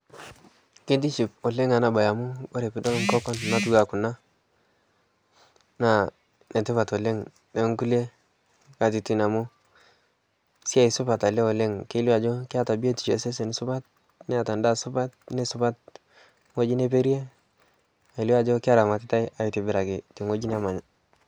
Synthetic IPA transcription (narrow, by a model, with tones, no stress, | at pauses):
ke˦d̬i˦t͡ʃi˨po˨le˦ŋa˨na˨ba˨ja˨mu˦o˦ɾe˨pi˦dlo˦ŋkɔ˦kɔ˦n˨na˦tu˨ɡa˨ku˨na˦ | na˨ | ne˨te˦βa˨to˨le˦ŋ | de˦ŋku˦le˦ | ka˨ti˨ti˦na˨mu˦ | si˦a˨i˨su˦ba˨ta˨le˦o˨le˦ŋke˦la˨d͡ʒo˦ki˦a˦ta˨bi˦e˦ti˨d͡ʒe˨˦se˦s̬e˨ni˨su˦ba˦t̚ | ne˦a˨ta˨nda˦su˦ba˦t̚ne˦su˦ba˦t̚ | ŋo˦d͡ʒi˦ne˦p̬e˦ɾi˦e˦ | a˨i˨li˦wa˨d͡ʒo˦ki˦a˦ta˨ma˨ti˦ta˦i˦a˨ji˨ti˨bi˨ɾa˨ɡe˨ti˨ŋo˦d͡ʒi˦n˦a˦ma˨ɲa˨